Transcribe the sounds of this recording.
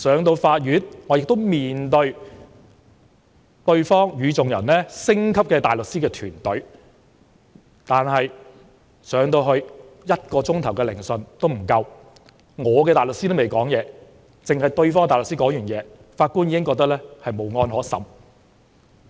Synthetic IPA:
sœː˨˥ŋt̪o˧wfaː˧t̚jyː˨˥nŋɔː˨˧jɪ˨k̚t̪o˥wmiː˨nt̪ɵ˧ɥ | t̪ɵ˧ɥfɔː˥ŋjyː˨˧t͡sʊ˨ŋjɐ̰˨˩nlɛː˥sɪ˥ŋkʰɐ˥p̚kɛː˧t̪aː˨jlɵ˨k̚siː˥kɛː˧t̪ʰyː˨˩nt̪ɵ˨˥ɥ | t̪aː˨nɦɐ˨j | sœː˨˥ŋt̪o˧wɦɵ˧ɥjɐ˥t̚kɔː˧t͡sʊ˥ŋt̪ʰɐ˨˩wkɛː˧lɪ˨˩ŋsɵ˨nt̪o˥wm̩˨˩kɐ˧w | ŋɔː˨˧k̬ɛː˧t̪aː˨˩lʊ˨k̚siː˥t̪o˥wme˨jkɔː˨˥ŋjɛː˨˧ | t͡sɪ˨ŋhɐ˨jt̪ɵ˧ɥfɔː˥ŋt̪aː˨˩lksiː˥kɔː˨˥ŋjyː˨˩njɛː˨˧ | faː˧t̚kuː˥njiː˧kɪ˥ŋkɔː˧k̚t̪ɐ˥lɛː˥hɐ˨jmo˨˥wŋɔː˧nɦɔː˨˥sɐ̰˨˥m

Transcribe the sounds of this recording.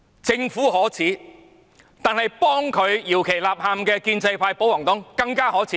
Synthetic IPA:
t͡sɪ˧ŋfuː˨˥hɔː˨˥t͡sʰiː˨˥ | t̪aː˨nhɐ˨jpɔː˥ŋkʰɵ˨˧ɥjiː˨˩wkʰe˨˩jlaː˨p̚haː˨mkɛː˧kiː˧nt͡sɐ˧jpʰaː˧jpo˨˥wɔː˨˩ŋt̪ʊ˨˥ŋkɐ˧ŋkaː˥hɔː˨˥t͡sʰiː˨˦˥

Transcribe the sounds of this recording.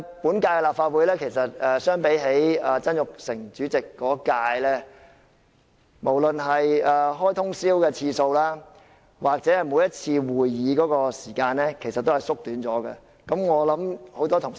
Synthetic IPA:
puː˨˥nkaː˧jkɛ˧laː˨pfaː˧t̚wu˨˧˥jlɛː˥kʰe˨˩jsɐ˨t̚ɛː˨sœː˥ŋpe˨˥jɦe˨˥jaː˨t͡sɐ˥njʊ˨k̚sɪ˨˩ŋt͡ʃyː˨˥t͡sɪ˨kːɔː˨˥kaː˧jlɛː˥ | mo˨˩wlɵ˨nɦɐ˨jɛː˨˩ɦɔː˥jt̪ʰʊ˥ŋsiː˥wkɛː˧t͡sʰiː˧so˧wlaː˥ | waː˨k̚t͡sɛ˨˥hɐ˨jmu˨˥jɐ˥t̚t͡sʰiː˧wuː˨jːiː˨˧kɔː˨˥kɔː˧siː˨˩kaː˧nlɛː˥kʰe˨˩jsɐ˨˩t̪ːhɐ˨jsʊ˥k̚t̪yː˨˥nt͡sɔː˨˥kɛ̰˧ | kɐ˨˧˥mŋɔː˨˧lɐ˨˥mho˨˥wt̪ɔː˥t̪ʰʊ˨˩ŋ

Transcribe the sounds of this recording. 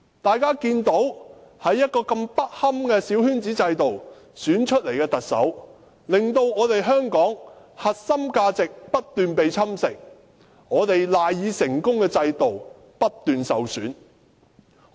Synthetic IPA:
t̪aː˨jkaː˥kiː˧nt̪o˨˥whɐ˨˥jːɐ˥t̚kɔː˧kɐ˧mpɐ˥t̚hɐ˥mkɛː˧siː˨˥whyː˥nt͡siː˨˥t͡sɐ˧jt̪o˨w | syː˨˥nt͡ʃʰɵ˥t̚le˨˩jkɛː˧t̪ɐ˨k̚sɐ̰˨˥w | lɪ˨ŋt̪o˧wŋɔː˨˧t̪e˨jɦœː˥ŋkɔː˨˥ŋ | hɐ˨t̚sɐ˥mkaː˧t͡sɪ˨k̚pɐ˥t̚t̪yː˨npe˨jt͡sʰɐ˥msɪ˨k̚ | ŋɔː˨˧t̪e˨jlaː˨jjiː˨˧sɪ˨˩ŋkʊ˥ŋkɛː˧t͡sɐ˧jt̪o˨w | pɐ˥t̚t̪ːyː˨nsɐ˨wsyː˨˥n

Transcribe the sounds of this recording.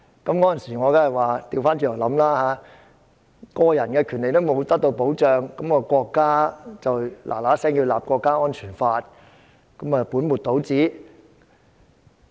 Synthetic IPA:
kɐ˨˥mkɔː˨˥jɐ˨nsiː˨˩ŋɔː˨˧kaː˥ɐ˨˩waː˨t̪iː˨˧wfaː˥nt͡ʃy˧˩lɔ˨˩lɐ˨˥mlaː˥haː˨˥ | kɔː˧jɐ˨˩nkɛː˧kʰyː˨˩nle˨jt̪o˥wmo˨˧wt̪ɐ˥k̚t̪o˧wpo˨˥wt͡ʃœː˨ŋkɐ˨˦mkɔː˧kʷɔː˧kːaː˥t͡sɐ˨wlʔa̰ː˨˩laː˨˥sɛː˥ŋjiː˧wlaː˨p̚kʷɔː˧kːaː˥ɔː˥nt͡ʃʰyː˨˩nfaː˧t̚ | kɐ˨˥mɐ˨puː˨˥nmu˨t̚t̪o˨˥wt͡siː˨˥

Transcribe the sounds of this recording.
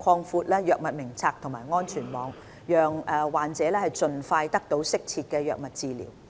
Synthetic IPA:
kʰɔː˧ŋfuː˧t̚lɛː˥jœː˨k̚mɐ˨t̚mɪ˨˩ŋt͡sʰaː˧k̚t̪ʰʊ˨˩ŋmaː˨˩jŋɔː˥nt͡ʃʰyː˨˩nmɔː˨˧ŋ | jœː˨ŋɛ˨˧waː˨nt͡sɛː˨˥lɛː˥hɐ˨jt͡sɵ˨nfaː˧jt̪ɐ˥k̚t̪o˨˥wsɪ˥k̚t͡sʰiː˧t̚kɛː˧jœː˨k̚mɐ˨t̚t͡siː˧lḭː˨˩w

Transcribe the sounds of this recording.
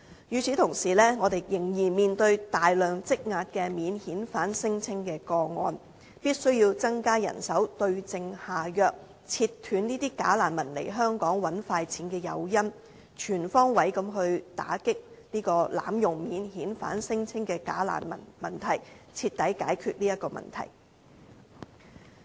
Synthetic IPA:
jyː˨˧t͡sʰiː˨˥t̪ʰʊ˨˩ŋsiː˨˩lɛː˥ŋɔː˨˧t̪e˨jːɪ˨˩ŋjiː˨˩nmiː˨nt̪ɵ˧ɥt̪aː˨˩jlœː˨˩ŋt͡sɪ˥k̚ŋaː˧t̚kɛː˧miː˨˧nhiː˨˥nfaː˨˥nsɪ˥ŋt͡sʰɪ˥ŋkɛː˧kɔː˧ŋɔ̰ː˧n | piː˥t̚sɵ˥ɥjiː˧wt͡sɐ˥ŋkaː˥jɐ̰˨˩nsɐ˨˥wt̪ɵ˧ɥt͡sɪ˧ŋhaː˨˩jœː˧k̚ | t͡sʰiː˧tt̪ʰyː˨˥nniː˥t̪iː˥ka̰ː˨˥laː˨˩nmɐ˨˩nlḛ˨˩jɦœː˥ŋkɔː˨˥ŋwɐ˨˥nfaː˧jt͡sʰiː˨˥nkɛː˧jɐ̰˨˧wjɐ˥m | t͡ʃʰyː˨˩nfɔː˥ŋwɐ˨˥jkɐ˨˧˥mɦɵ˧ɥt̪a̰ː˨˥kɪ˥k̚ | niː˥kɔː˧la̰ː˨˥mjʊ˨˩ŋmiː˨˥nɦiː˨˥nfa̰ː˨˥nsɪ˥ŋt͡sʰɪ˥ŋkɛː˧ka̰ː˨˥la̰ː˨˩nmɐ̰˨˩mɐ˨˩nt̪ʰɐ˨˩jt͡sʰiː˧t̪̚ːɐ˨˥jkaː˨˥jkʰyː˧t̚niː˥jɐ˥t̚kːɔː˧mɐ̰˨˩nt̪ʰɐ̰˨˩j

